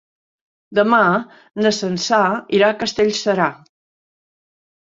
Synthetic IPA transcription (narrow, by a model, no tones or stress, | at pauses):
d̪əma | nəsənsaiɾakəst̪eʎʲsəɾa